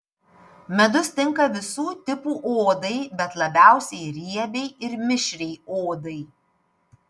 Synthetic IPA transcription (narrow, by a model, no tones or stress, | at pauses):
mʲɛd̪ʊst̪ʲɪŋˑkɐʋʲɪsuːt̪ʲɪpuːʔoːd̪ɐɪbʲɛt̪lˠɐbʲæˑʊsʲɛɪɾʲiɛbʲɛɪɪɾmʲɪʃʲɾʲɛɪoːd̪ɐɪ